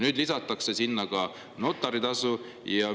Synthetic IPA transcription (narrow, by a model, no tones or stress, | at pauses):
nyːd̪lisɑt̪ːˑɑkse̞sinːɑɡ̥ɑ | no̞t̪ˑːɑɾit̪ɑsu | jɑ